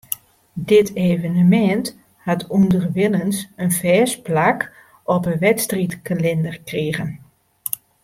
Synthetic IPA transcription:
dɪtʰeːvənəmɛnt | hatundərʋɪlˠənsənfɛːsplak | ɔpəʋɛtstritkalɪndərkriəɣən

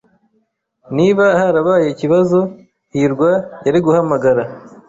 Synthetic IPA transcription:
niβahaɾaβaːjeciβazo̞ | hiɾɡwajaɾiɡuhamaɡaɾa

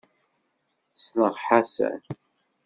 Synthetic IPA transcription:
snəʁħasæ̰n

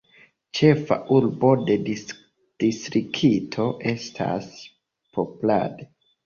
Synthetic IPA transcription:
t͡ʃe̞fa̰ʔuɾbo̞de̞di | d̥istɾikʰitʰo̞ʔe̞stʰa̰s | pʰo̞pula̰de

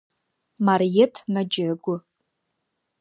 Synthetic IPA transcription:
marjetʰmad͡ʒʕɡʷʊ

